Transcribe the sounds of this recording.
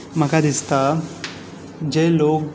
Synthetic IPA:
m̤əkad̪ist̪a | d͡ʒeloːk

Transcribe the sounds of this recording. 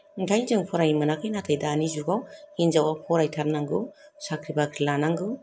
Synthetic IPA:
ŋtʰajzɯŋpʰɔɾajimanakʰɯjnatʰajdaːnizuɡawhinzawapʰɔɾajtʰaɾnaŋɡɯwsakʰɾibakʰilanaŋɡɯw

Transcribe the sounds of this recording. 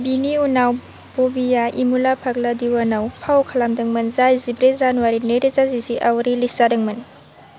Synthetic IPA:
biniunaw | b̥obijaimulapʰak̚ladiwanawpʰawkʰalamdɐŋmɯnzajzibɾezanuwaɾinɯjɾezaziziʔawɾilisadɐŋmɯn

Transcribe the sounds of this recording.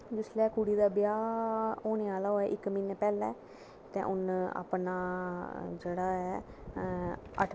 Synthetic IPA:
d͡ʒʊslɛːkuːɽiːd̪aːbɪjaːoːneːaːlaːɦoːɛːʔɪkːminpɛːlɛː | t̪ɛ̰̃ːʔʊna̰ːpnaː | d͡ʒeːɽaːɛː | ə̰ʈʰ

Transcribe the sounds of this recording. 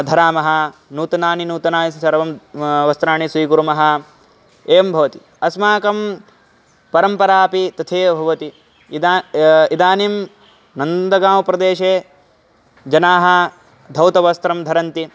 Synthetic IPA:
d̪ʱɐɾaːmɐɦɐ̆nuːt̪ɐnaːninuːt̪ɐnaːnisɐɾʋɐmʋɐst̪ɾaːɳisʋiːɡuɾumɐɦɐ | eːɐmbʱɐʋɐt̪i̥ | ɐsmaːkɐm | pɐɾɐmpɐɾaːpit̪ɐt̪ʰeːbʱɐʋɐt̪i | id̪aːnim | nɐnd̪ɐɡaːmɐpɾɐd̪eːʃeː | d͡ʒɐnaːɦɐ̆ | d̪ʱɐwt̪ɐʋɐst̪ɾɐmd̪ʱɐɾɐnt̪i

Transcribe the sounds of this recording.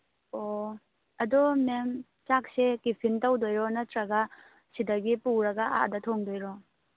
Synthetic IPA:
o | ɐdɔmem | t͡ʃak̚sekipʰintɐwdojɾɔnɐtɾɐɡɐ | sidɐɡipuɾɐɡɐʔa̰ʔdɐtʰoŋdojɾɔ

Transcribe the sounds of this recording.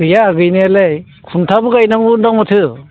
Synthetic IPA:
ɯjaːɡɯjnelej | kʰuntʰabɯkajnaŋundaŋmɯtʰɯ

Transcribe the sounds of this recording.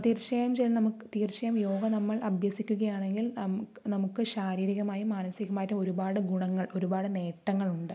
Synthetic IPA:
t̪iːrt͡ɕɐjɐmt͡ɕelnɐmukkːɨt̪iːrt͡ɕɐjɐmjo̞ːɡɐnɐmːɐɭɐbʱjɐsikʲːuɣɐjaːɳe̞ŋɡilnɐmnɐmukːɨɕaːɾiːɾiɣɐmaːjimaːnɐsiɣɐmaːjɐtːumo̞ɾubaːɽɨɡuɳɐŋːɐɭo̞ɾubaːɽɨne̞ːʈːɐŋːɐɭuɳɖɨ

